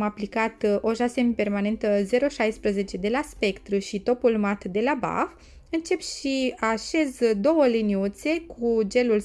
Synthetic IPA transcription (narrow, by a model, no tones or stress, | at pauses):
maplikat̪o̞ʒase̞mpe̞rmane̞nt̪əze̞ɾo̞ʃajspɾəze̞t͡ʃe̞d̪e̞laspe̞kt̪ɾuʃit̪o̞pulmat̪d̪e̞laba̰f | ɨnt͡ʃe̞pʃiaʃe̞zd̪o̞wəliniut̪se̞kʰud͡ʒe̞lul